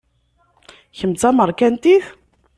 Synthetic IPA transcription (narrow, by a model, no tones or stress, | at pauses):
çəmt͡sːaməɾˤkænt̪iθ